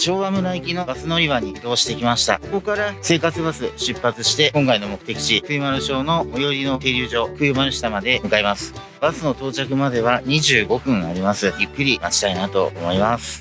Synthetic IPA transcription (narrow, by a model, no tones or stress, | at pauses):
t͡ɕo̞ːβamɯ̟ɾaikʲino̞basɨno̞ɾʲiβaɲ̟id̪o̞ːɕi̥t̪e̞kʲimaɕi̥t̪a̰koko̞kaɾase̞ːkat͡sɨbasɨɕɨpːat͡sɨɕi̥t̪e̞kõ̞ŋkaino̞mo̞kɯ̟t̪e̞kʲi̥ɕikɯɯ̟maɾɯ̟ɕo̞ːno̞ːjo̞ɾʲino̞t̪e̞ːɾʲɯːʑo̞ːkɯ̟jɯmaɾɯ̟ɕi̥t̪amad̪e̞mɯ̟kaimasɨ̥ | b̥asɨno̞t̪o̞ːt͡ɕakɯ̟mad̪e̞βaɲ̟iʑɨːɡo̞kɯ̟̃ɰ̃aɾʲimasɨɯkːɯ̟ɾʲimat͡ɕi̥t̪ainat̪o̞̰ːmo̞imasɨ̥